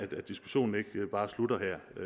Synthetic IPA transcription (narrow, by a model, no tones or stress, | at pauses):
æ̥æd̥isɡ̥u̥ɕo̝̰ːn̩e̝ɡ̥b̥ɑ̈ːslud̥ɐɦæɐ̰